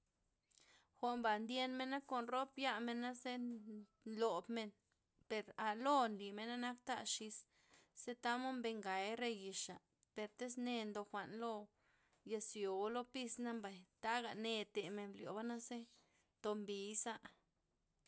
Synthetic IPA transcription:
xʷa˧mba˨nd̪je˧nme˧nːa˦ko˨nro˦pja˦me˧na˦ze˦ | lo˨bme˧n | pe˨ɾa˨lo˦nli˨me˧na˦na˦k̚t̪a̰˦˧ʃi˧s | se˦t̪a˦mo˦mbe˧ŋɡa˨jɾe˧ji˧ʂa˨ | pe˨ɾt̪e˦s̬ne˧nd̪o˧xʷa˨ʔnlo˧ | ja˧sjo˨˦lo˦pi˧sna˦mba˨jt̪a˦ɡa˨ne˧t̪e˨me˧nljo̰˨ba˦na˦se˦ | t̪o˧mbi˨˦sa˦ʔ

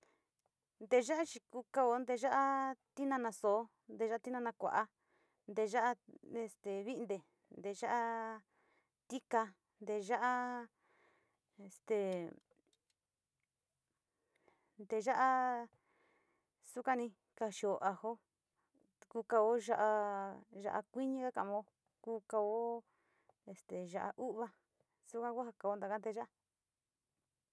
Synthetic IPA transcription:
nd̪e˧ʒa˦ʔa˦t͡ʃi˧ku˧ka˧o˧˦nd̪e˧ʒa˦ʔa˦t̪i˦nã˧nã˧so˨˦ | nd̪e˧ʒa˦a˦t̪i˦nã˧nã˧kʷa̰˨ʔa˧ | nd̪e˧ʒa˦ʔa˦e˧˨st̪e˨βi˦nd̪e˨ | nd̪e˧ʒa˦ʔa˦ | t̪i˦ka˧ | nd̪e˧ʒa˦ʔa˦ | e˧˨st̪e˨ | nd̪e˧ʒa˦ʔa˦ | su˦kã˦nĩ˧ | ka˧ʃi˧o˧ʔa˧ho˦ | ku˧ka˧o˦ʒa˦ʔa˧ʒa̰˧ʔa̰˧kʷi˦ɲĩ˦ka˦kã˧ʔmã˧o˧ | kuː˦ka˧o˦ | e˨st̪e˨ʒa˧ʔa̰˧ʔu˦ʔβa˧ | su˦kã˦kʷa˦ha˧ka˧o˧˦nd̪a˧ka˦nd̪e˧ʒa˦a˦

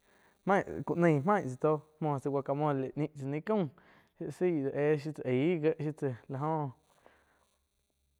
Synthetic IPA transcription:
mã˦˨ku˧˨ʔnə̃˧˨mã˦˨ʔt͡sa˨t̪o˦mõː˧˨˧t͡sə˧wʷa˧ka˧˨mõ˧le˨ʔnĩ˧ʔt͡sə˧nĩ˦kũ˦˨ | ʃi˦si˦˨d̪ə˨ʔe˧˦ʃ̬i˦t͡sa˨ʔiː˨˦ɡə˦ʔʃi˦t͡se˧˨la˧˨ɦõ˧

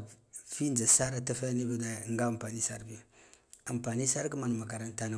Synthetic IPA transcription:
fi˦nd͡ʒa˨sa˦ɾa˦ta˦fa˦ni˦bi˦da˦˨ŋɡa˦a˨mpa˨ni˦sa˦ɾbi˦ju˨a˨mpa˨ni˦sa˦ɾki˦ma˨nu˨ma˨ka˨ɾa˦nta˦na˦

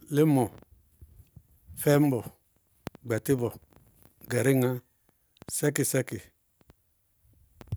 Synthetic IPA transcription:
lɪ˦mɔ˨ | fɛ˦m˦bɔ˨ | ɡ͡bɛ˨ti˦vɔ˨ | ɡɛ˨ɾi˦ŋa˦ | sɛ˦ki˨sɛ˦ki˨

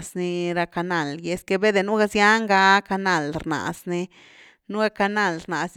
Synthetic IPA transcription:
sni˧ɾa˧ka˧na˧˨lje˧ske˧be˦d̪e˨nu˦ɡa˧sja˦ŋɡa˧ka˧na˧˨lɾna̰˨sni˧ | nu˦ɡa˧ka˧na˦˨lɾna˨s

